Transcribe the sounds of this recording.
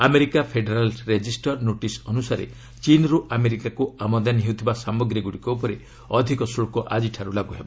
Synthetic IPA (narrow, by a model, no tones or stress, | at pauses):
ameɾikapʰeɖeɾalɾed͡ʒisʈɔɾnoʈisɔnusaɾḛ | t͡ʃinɾuʔameɾikakuamɔd̪anɦeut̪ʰibasamɔɡɾiɡuɽikɔupɔɾe | ɔd̪ʱikɔsuɭkuʔad͡ʒiʈʰaɾulaɡuɦebɔ